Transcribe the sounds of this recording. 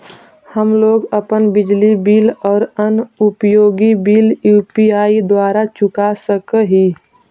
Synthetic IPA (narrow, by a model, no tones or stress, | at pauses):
həmloːɡəpənbɪd͡ʒlibiːlɔːɾənʊpjoːɡibiːljuːpiaːid̪waːɾat͡ʃʊkasəkəɦiː